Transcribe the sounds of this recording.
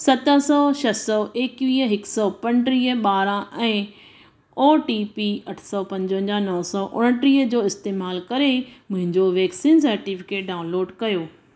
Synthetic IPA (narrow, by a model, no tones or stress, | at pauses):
sɐt̪əsɔːʃɐsɔːʔeːkʋiːəɦɪksɔːpɐ̃nɖɾiːəɓaːɾãʔɛ̃ː | oːʈipiɐʈʰsɔːpɐ̃ɲd͡ʑə̃ɲd͡ʑãnɔɦsɔːʔʊ̰ɽəʈɾiːəd͡ʑoːɪst̪eːmaːlkɐɾemʊ̃ɦɪ̃ɲd͡ʑoʋɛːksĩːnsɐɾʈifɪ̥keːʈ̚ɖaːʊ̃nloːɖkɐjoː